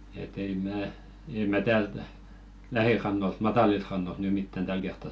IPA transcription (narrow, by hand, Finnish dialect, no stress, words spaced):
et ei mæː ei mæ tæːlt læhirɑnːolt mɑtɑlilt rɑnːolt ny mitːæn tæl kertːɑ